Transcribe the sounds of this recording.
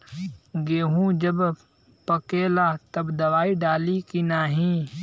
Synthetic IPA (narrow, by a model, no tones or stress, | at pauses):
ɡeːɦũːd͡ʒəb | pəkeːlaːt̪əbd̪ɐʋaːiɖaːlikinaːɦĩː